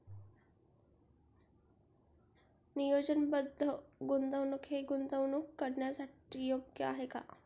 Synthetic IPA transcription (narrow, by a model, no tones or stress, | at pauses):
nijod͡ʑənbəd̪ʱːəɡund̪əwnukʰeɡund̪əʋnukːəɾɳjasaʈijoɡjəaɦeka̰